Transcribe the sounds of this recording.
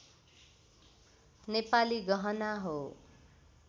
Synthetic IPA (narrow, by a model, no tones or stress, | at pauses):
nepaliɡʌɦʌnaɦo